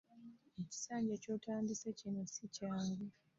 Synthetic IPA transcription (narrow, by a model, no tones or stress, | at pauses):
eci̥saːɲɟeco̞ːtaːmbisecinesicaːŋɡe